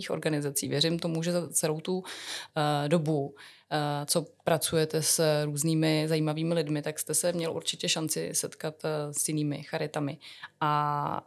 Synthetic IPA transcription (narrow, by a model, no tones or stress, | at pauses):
iːxoɾɡanɪzat͡sḭːvjɛɾɪmt̪o̞muʒɛzat͡sɛlo̞wt̪u | do̞bu | t͡so̞pɾat͡sujɛt̪ɛsɾuːzniːmɪzajiːmaviːmɪlɪdmɪt̪akst̪ɛsɛmɲɛlʔṵɾt͡ʃɪcɛʃant͡sɪ̰sɛt̪kat̪sjɪniːmɪ̰xaɾɪt̪amɪʔa